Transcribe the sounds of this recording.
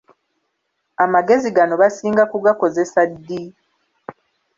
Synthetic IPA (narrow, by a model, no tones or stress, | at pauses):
amaɡe̞ziɡano̞βasiːŋɡakuɡako̞ze̞sadːi